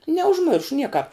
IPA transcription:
nʲɛʊʒʲˈmʲɪrʃʊ ˈnʲiɛkɑːp

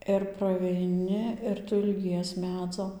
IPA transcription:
ɪr prɐʋʲɛɪˈnʲɪ ɪr ˈtʊ ɪlʲˈɡʲiɛs ˈmʲæːd͡zoː

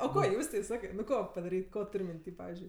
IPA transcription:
oː ˈkoː ˈjuːsʲtʲɛɪ ˈsɑːkɐɪ nʊ ˈkoː pɐdɐˈrʲiːtʲ ˈkoː ˈtʊrʲ mʲɪnʲˈtʲiː ˈpɑːʋʲɪzʲd͡ʒʲʊɪ

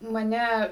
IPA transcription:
mɐˈnʲɛ

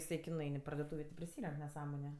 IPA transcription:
ɪˈsɐɪ kʲɪ nʊˈɐɪn ɪ pɐrdoːˈtuːʋʲeː tʲɪ pʲrʲɪˈsʲiːrʲɛŋk nʲɛˈsɑːmoːnʲʊ

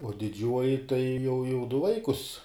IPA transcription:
uɔ dʲɪˈd͡ʒʲuɔjɪ tɐɪ jɛʊ jɛʊ dʊ ˈʋɐɪkʊs

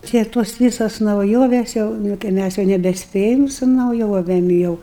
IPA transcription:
ˈtʲiɛ toːs ˈʋʲiːsoːs nɐʊˈjoːʋʲeːs ˈjɛʊ nʊ kɐɪ ˈmʲæs jɛʊ nʲɛbʲɛˈsʲpʲeːjɛm sʊ nɐʊˈjoːʋʲeːm jɛʊ

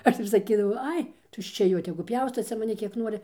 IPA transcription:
ˈɐʃ ɪr sɐˈkʲiːdɐʋɐʊ ˈɐɪ tʊʃʲt͡ʃʲɛ ˈjoː tʲɛɡʊ ˈpʲjɛʊstoː ˈt͡sʲɛ mɐˈnʲɪ ˈkʲiɛk ˈnuɔrʲɪ

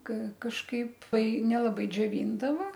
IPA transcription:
kɐ kɐʃˈkɐɪp ˈtɐɪ nʲɛlˠɐˈbɐɪ d͡ʒʲoːˈʋʲiːndɐʋɐ

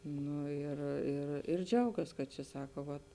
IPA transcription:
ˈnʊ ɪr ɪr ɪr ˈd͡ʒʲɛʊɡɐs kɐt t͡ʃʲɛ ˈsɑːkɐ ʋɐt

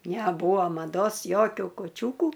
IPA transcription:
nʲɛˈbuːɐ mɐˈdoːs ˈjoːkʲʊ kʊˈt͡ʃʲuːkʊ

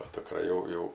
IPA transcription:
oː dʊkˈrɐ jɛʊ ˈjɛʊ

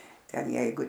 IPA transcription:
ˈtʲɛn ˈjɛɪɡʊ

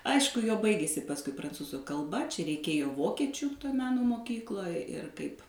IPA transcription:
ˈɐɪʃkʊ joː ˈbɐɪɡʲeːsʲɪ pɐsˈkʊɪ prɐnˈt͡suːzʊ kɐlˠˈbɐ t͡ʃʲɛ rʲɛɪˈkʲeːjoː ˈʋoːkʲiɛt͡ʃʲʊ toːj ˈmʲæːnoː moːˈkʲiːklˠoːj ɪr ˈkɐɪp

